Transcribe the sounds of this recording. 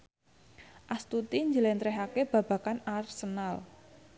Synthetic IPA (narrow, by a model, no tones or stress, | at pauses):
ʔast̪ut̪iɲd͡ʒəlɛnt̪ɾɛɦakeb̥ä̤b̥a̤kanarsənal